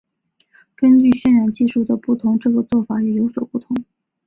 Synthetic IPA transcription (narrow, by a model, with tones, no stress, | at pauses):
kə˥nt͡ɕy˥˧ɕɥɛ˥˧nɻa˧˥nt͡ɕi˥˧ʂu˥˩d̪ə˩pu˥˩t̪ʰʊ˧˥ŋʈ͡ʂɤ˥˩ɡə˩t͡swɔ˥˩fa˨˩jɛ˨˩jo˧˥ʊswɔ˨˩pu˥˩t̪ʰʊ˧˥ŋ